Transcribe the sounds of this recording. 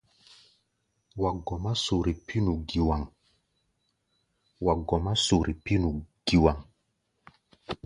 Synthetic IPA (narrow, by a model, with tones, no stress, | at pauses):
wa˨ɡɔ˨ma˦so˨ɾi˨pʰi˦nu˨ɡi˨wa˨ŋ | wa˨ɡɔ˨ma˦so˨ɾi˨pi˦nu˨ɡ̥i˨wa˨ŋ